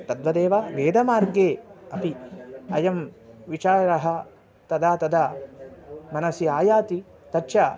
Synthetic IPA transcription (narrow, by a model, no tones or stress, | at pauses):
t̪ɐd̪ʋɐd̪eːʋaːʋeːd̪ɐmaːɾɡeːɐpiɐjɐmʋit͡ʃaːɾɾɐɦɐ | t̪ɐd̪aːt̪ɐd̪aː | mɐnɐsiaːjaːt̪i | t̪ɐtːt͡ʃa